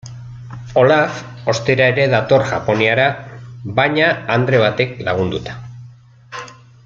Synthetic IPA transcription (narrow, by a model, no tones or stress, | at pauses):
o̞laf | o̞st̪eɾae̞ɾe̞ðat̪o̞ɾʝapo̞niaɾaβajɲaːnd̪ɾe̞β̞at̪e̞klaɣ̞und̪ut̪ḁ